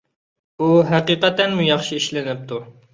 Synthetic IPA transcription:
uɦæqiqɛt̪ɛnmujɑχʃiiʃlɪnɪp̚t̪ʰu

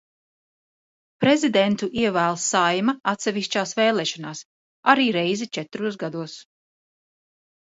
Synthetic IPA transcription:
pɾɛzid̪ɛnt̪uʔiɛvæːlˠsajmaat̪sɛviʃt͡ʃaːsvɛːlˠɛːʃɔnaːs | aɾiːɾɛjzit͡ʃɛt̪ɾuɔsɡad̪uɔs

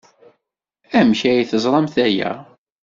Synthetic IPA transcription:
æmçæjiθəzˤɾˤɑmθæjæ̰

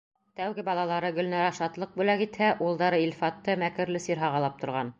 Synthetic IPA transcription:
t̪æwɡɘbɑlˠɑlˠɑɾɤɡɵ̆lnɑɾæʃɑt̪lˠɤq̚bʉlækit̪hæʔulˠd̪ɑɾɤilʲfɑt̪ːɤmækɘ̆ɾlɘsiɾɦɑʁɑlˠɑp̚t̪ŏɾʁɑn

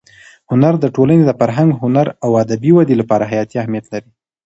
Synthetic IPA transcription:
hʊnaɾd̪əʈolaned̪əfaɾɦaŋɡɦʊnaɾawad̪abiwad̪elapɑɾaɦajɑt̪iahmijat̪laɾi

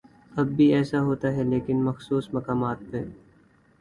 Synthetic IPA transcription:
ɐbːʱiɛːsaɦoːt̪aɦɛleːkɪnmɐxsuːsmɐkaːmaːt̪̚pe

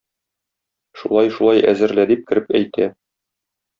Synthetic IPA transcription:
ʃulˠɑjʃulˠɑjæ̰zɘ̆ɾlæd̪ip̚kɘ̆ɾɘpæjt̪æ

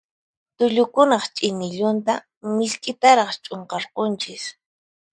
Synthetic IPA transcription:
t̪ʊʎʊkʊnɑχt͡ʃʼɪnɪʎʊnt̪a | mɪʎkʼɪt̪aɾɑχt͡ʃʼoɴqɑɾqont͡ʃɪs

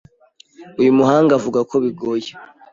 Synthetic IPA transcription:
ujumuɦaːŋɡavuɡakʰo̞βiɡoje

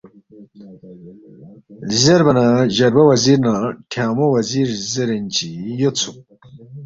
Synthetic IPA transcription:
zɐɾbɐnaʑɐɾbɐwɐziɾnaʈʰaːmowɐziɾzɐɾenʲt͡ɕijot͡sʰu

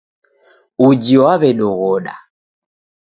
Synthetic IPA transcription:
ud͡ʒiwaβɛɗɔɣɔɗa̰

